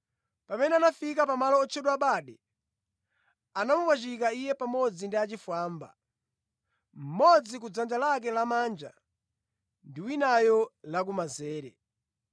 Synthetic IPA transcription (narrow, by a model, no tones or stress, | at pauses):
pamɛnɛanafikapamalɔːt͡ʃʰɛɗwaɓaɗɛ | anamupwat͡ʃik̬aijɛpamɔd͡zindiat͡ʃifwaːmba̰ | m̩mɔd͡zik̬ud͡zand͡ʒalak̬ɛlamaːnd͡ʒa̰ | ndiwinajɔlak̬umazɛːɾɛ